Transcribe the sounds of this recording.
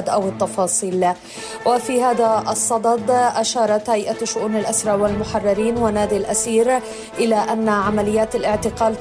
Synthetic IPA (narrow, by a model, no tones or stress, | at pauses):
d̪ʔawɪt̪ːɑfɑːsˤiːl | wɪfiːhaːðaʔɑsˤːɑd̪ˤɑd̪ʔaʃɑːɾˤɑt̪hajʔaʃʊʔuːnalʔasɾˤɑʕwɪlmʊħɑrˤːɑɾiːnwanaːd̪ɪlʔasiːɾ | ʔɪlaʔanːaʕamalɪjːaːt̪alʔɪʕt̪ɪqɑːl